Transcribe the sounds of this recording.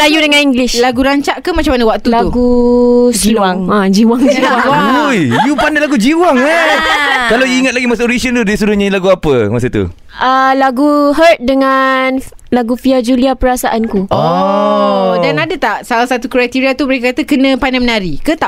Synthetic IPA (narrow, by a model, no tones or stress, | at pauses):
lajudəŋãniŋɡliʃlaɡuɾaɲt͡ʃaʔkamat͡ʃamanəwak̚t̪ulaɡu | iwaŋãd͡ʒiwaŋd͡ʒiwaaujjupanalaɡud͡ʒiwaŋə | kalawiŋat̪̚laɡimasaoɾisiənt̪udiisuɾʊhɲalaɡuapəmasət̪ṵ | əlaɡuɦət̪̚dəŋan | laɡufiad͡ʒuliapəɾasaʔankuɔ | danadət̪aʔsalahsat̪ukɾajt̪iɾiat̪uməɾekəkat̪əkənə̃panamənaɾikət̪a